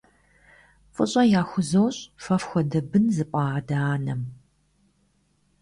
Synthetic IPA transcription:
fʼɨ̰ɕʼɐjaːxʷʊzowɕʼfɐfxʷɔdɐbɨnzɨpʷʼɑːdaaːnɐm

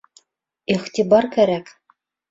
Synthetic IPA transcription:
iχt̪ibɑɾkæɾæk

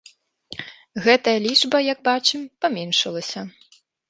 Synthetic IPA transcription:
ɣɛt̪ɐjɐlʲiʐbɐjɐɡ̚bat͡ʂɨmpɐmʲɛnʂɐlˠɐsʲɐ

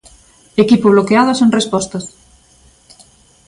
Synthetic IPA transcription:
ekipoβ̞lokeaðoseŋrespɔst̪ɐs

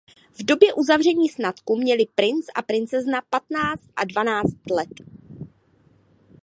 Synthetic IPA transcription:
vdo̞bjɛʔuzavr̝ɛɲiːsnat̪kumɲɛlɪpɾɪnt͡sʔa̰pɾɪnt͡sɛznapat̪naːt͡st̪ʔa̰dvanaːt͡st̪lɛt̪

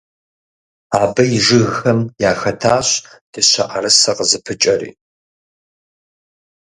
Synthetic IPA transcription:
aːbɐjiʒɨɣːɐmjaːxɐtʰaːɕd̥ɨɕʷɐ̰ʔɐɾɨsɐqəzɨpʰɨt͡ʃʼɐɾḭː

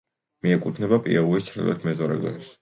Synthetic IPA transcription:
miɛkʼut̪ʰnɛbapʼḭɛuist̪sʰɾɛ̰lˠɛ̰t̪ʰmɛzɔɾɛ̰ɡ̪ɔ̰nis

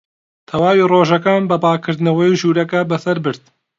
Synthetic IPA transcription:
t̪ʰɐwaːwiroːʒɐkaːnbɐpaːkʰɨɾd̪nɐwɐjuʒuːɾɐkɐbɐsɐɾbɨɾd̪̚

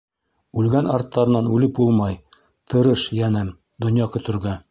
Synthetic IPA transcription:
ʉlɡænɑɾt̪ːɑɾɤ̆nɑnʉlɘpulˠmɑj | t̪ʰɤ̆ɾɤʃjænɘm | d̪ŏnjɑkɵ̆t̪ɘ̆ɾɡæ

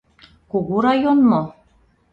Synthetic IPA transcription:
kuɣuɾɑjonmo

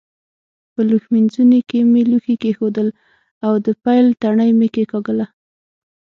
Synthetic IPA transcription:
pəluxminzunekemeluxikexod̪əl | awd̪əpajlt̪aɳəjmekekɑɡəla

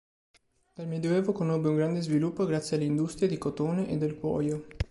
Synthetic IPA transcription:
d̪̥almed̪joɛːvokonobːeuŋɡɾand̪ezvilupːoɡɾat̪sːjealːeind̪ust̪ɾied̪ikot̪oːneʔed̪ːelkwɔ̰ːjo

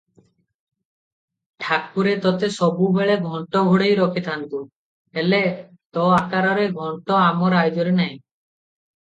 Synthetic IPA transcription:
ʈʰak̚puɾet̪ɔt̪esɔbubeɭeɡʱɔɳʈɔɡʱuɽejɾɔkʰit̪ʰant̪u | ele | t̪ɔakaɾɔɾeɡʱɔɳʈɔamɔɾajd͡ʒɔɾenaɦj̃

